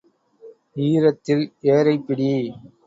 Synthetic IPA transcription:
iːɾɐt̪ːɪleːɾɐɪpːɪɽi

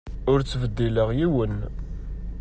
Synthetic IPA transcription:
ʊɾt͡sːvəd̪ːiləʁjiwən

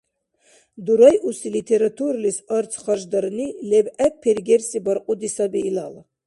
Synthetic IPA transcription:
d̪uɾajʔusilit̪ʰɛɾat̪ʰuɾlisɔɾt͡s̪ʰχaʒd̪aɾnilɛbæk̚pʰɛɾɡɛrsibaɾqʼud̪isabiːla̰la

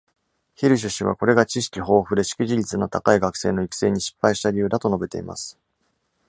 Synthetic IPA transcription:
çiɾɯ̟ɕ̬ɨɕiβ̞a̰ko̞ɾe̞ɡat͡ɕiɕi̥kʲiɦo̞ːɸɯ̟d̪e̞ɕi̥kʲiʑiɾʲit͡sɨnot̪akaiɡakɯ̟̥se̞ːno̞ikɯ̥se̞ːɲ̟iɕi̥pːaiɕi̥t̪aɾʲiɯ̟ːd̪at̪o̞no̞be̞t̪e̞̰ḭma̰sɨ̥

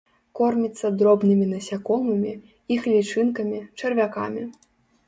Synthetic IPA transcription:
kɔrmʲit̪sːɐd̪ɾɔbnɨmʲinɐsʲakɔmɨmʲi | ixlʲit͡ʂɨnkɐmʲit͡ʂɐrvʲaka̰mʲi

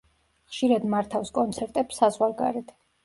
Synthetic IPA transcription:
χʃiɾad̪maɾt̪ʰafskʼɔnt̪sʰɛɾt̪ʼɛpsazwaɾɡa̰ɾɛt̪ʰ

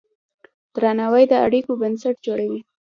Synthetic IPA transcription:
d̪̥ɾanawajd̪əaɽikobənsaʈd͡ʒoɽawi

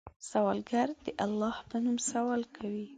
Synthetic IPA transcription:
sawɑlɡaɾd̪əʔalːɑhpənumsawɑlkʰawi

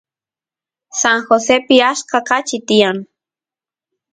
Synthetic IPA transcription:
saŋxosepɪaskɑqat͡ʃɪt̪ɪjaŋ

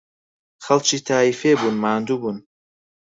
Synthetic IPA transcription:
χalt͡ʃʰiːt̪ʰaːifebunmaːnd̪ubun

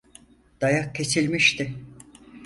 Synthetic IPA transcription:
d̪̥ajakcʰːe̞silʲmiʃt̪ʰɪ

